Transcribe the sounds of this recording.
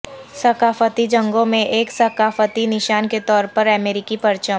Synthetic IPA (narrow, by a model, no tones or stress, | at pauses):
sɐkaːfət̪id͡ʒɐ̃ŋɡõmẽʔeːksɐkaːfət̪inɪʃaːnket̪ɔːɾpɐɾɛmeːɾɪkipɐɾt͡ʃəm